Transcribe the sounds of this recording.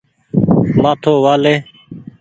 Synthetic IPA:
maːt̪ʰoːʋaːleː

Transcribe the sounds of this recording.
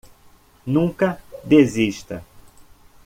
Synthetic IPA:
nũkɐd̪eziʃt̪ɐ̰

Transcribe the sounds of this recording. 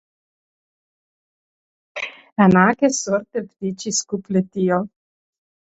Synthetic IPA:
anakesoɾt̪evd̪it͡ʃiskuplet̪io

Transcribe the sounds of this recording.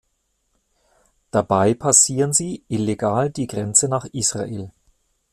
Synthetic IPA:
d̥abaɪpʰasiːʁənziːʔɪleɡaːldiːɡʁɛnt͡sənaːχʔiːsʁ̥a̰ʔḛːl

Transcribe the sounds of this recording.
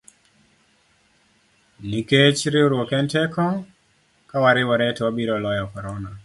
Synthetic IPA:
niket͡ʃɾɪoɾwɔkɛntɛkɔ | kawaɾɪwɔɾɛtɛwabiɾɔlɔjɔkɔɾɔna

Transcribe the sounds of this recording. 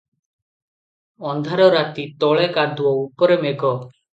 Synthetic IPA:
ɔnd̪ʱaɾɔɾat̪it̪ɔɭekad̪uɔupɔɾemeɡɔ

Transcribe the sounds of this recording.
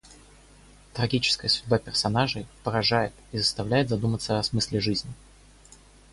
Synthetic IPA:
t̪ɾɐɡʲit͡ɕɪ̥skəjəsʲʊdʲbapʲɪrsɐnaʐɨjpəɾɐʐajɪt̪izəst̪ɐvlʲæjɪt̪zɐd̪umət̪səɐsmɨsʲlʲɪʐɨzʲnʲɪ

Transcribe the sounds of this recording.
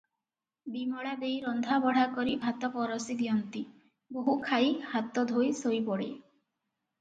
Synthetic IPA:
bimɔɭad̪ejɾɔnd̪ʱabɔɽ̤akɔɾibʱat̪ɔpɔɾɔsid̪iɔnt̪i | boɦukʰajhat̪ɔd̪ʱojsojpɔɽḛ

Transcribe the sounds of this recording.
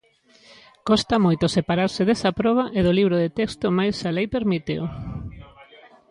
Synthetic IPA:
kɔst̪amojt̪osepaɾaɾsɪðesɐpɾɔβ̞aʔeðoliβ̞ɾoðet̪ekst̪ʊmajsalejpeɾmit̪ḛo

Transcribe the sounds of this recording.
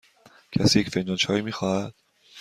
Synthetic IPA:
cʰæsiːjecfend͡ʒɒːnt͡ʃʰɒːiːmiːxɒːhæd̪̥̚

